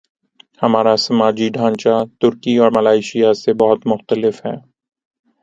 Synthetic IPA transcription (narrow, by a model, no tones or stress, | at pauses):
hɐmaːɾasɐmaːd͡ʒiɖʱãːɲt͡ʃat̪ʊɾkiɔːɾmɐlaːɪʃijasebɐɦʊt̪mʊxt̪əlɪfɦɛ̰ː